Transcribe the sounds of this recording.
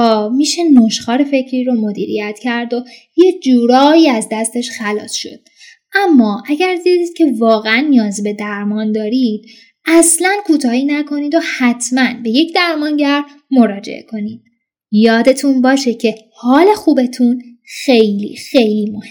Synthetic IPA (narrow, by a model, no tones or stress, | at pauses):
ɒːmiːʃe̞noʃxɒːɾefe̞cʰɾiːɾo̞mo̞d̪ḭːɾḭjæt̪ʰcʰæɾd̪o̞ | jed͡ʒuːɾɒːiːæzd̪æst̪e̞ʃxælɒːsʃo̞̰d̪̥ | ʔæmːɒːʔæɟæɾd̪iːd̪iːd̪̥̚cʰe̞vɒːɣeænːijɒːzbe̞d̪æɾmɒːnd̪ɒːɾid̪̥̚ | ʔæslænkʰuːt̪ʰɒːhiːnækʰo̞niːd̪o̞hæt̪ʰmænbe̞je̞cʰd̪æɾmɒːnɟæɾ | mo̞ɾɒːd͡ʒḛʔḛkʰo̞niːd̪̥̚ | jɒːd̪e̞t̪ʰunbɒːʃe̞cʰe̞ | hɒːle̞xuːbe̞t̪ʰun | xe̞jlḭːxe̞jliːmohe